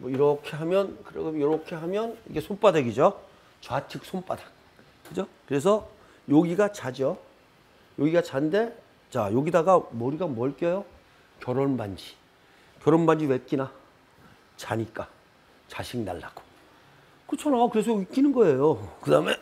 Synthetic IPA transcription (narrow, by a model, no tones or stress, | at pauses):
mʌiɾʌkʰe̞ɦamjʌnkɯɾḛjʌɾʌkʰe̞ɦamjʌnḭɡe̞sʰonp͈adwe̞ɡid͡ʑo | t͡ɕwat͡ɕʰɯk̚sʰomp͈adḁk | kɯd͡ʑokɯɾe̞s̬ʰʌ | joɡiɡat͡ɕad͡ʑʌ | joɡiɡat͡ɕande̞ | t͡ɕajoɡidaɡamʌɾiɡamʌɭk͈jʌjo | kjʌɾʌnband͡ʑi̥ | kjʌɾʌnband͡ʑiwek͈ina | t͡ɕaɲik͈a | t͡ɕaɕʰiŋna̰ɭːa̰ɡ̥o̥ | kɯt͡ɕʰʌnaakɯɾe̞sʰoik͈inɯnɡʌe̞jokɯdame̞